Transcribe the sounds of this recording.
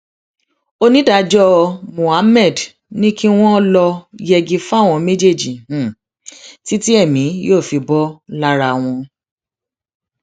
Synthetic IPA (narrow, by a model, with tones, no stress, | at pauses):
o˧nĩ˦da˧d͡ʒɔ˦˧mũ˨a˨˦mɛ˦˨d | nĩ˦ki˦w̃ɔ̃˦lɔ˧jɛ˧ɡi˧fa˦˨w̃ɔ̃˧me˦d͡ʒe˦˨d͡ʒĩ˨ | ti˦ti˦ɛ˦˨mĩ˨˦joː˦˨fi˧bɔ˦la˦ɾa˧˨w̃ɔ̃˧